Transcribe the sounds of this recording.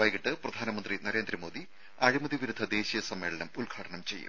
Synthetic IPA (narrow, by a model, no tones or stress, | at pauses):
aːjkiʈːɨprɐd̪ʱaːnɐmɐnd̪rinɐɾeːnd̪ɾɐmo̞ːd̪i | ɐɻimɐðiʋiɾud̪ʱːɐd̪e̞ːɕijɐsɐmːe̞ːɭɐnɐmulɡʱaːʈʰɐɳɐmt͡ɕe̞̰jːṵ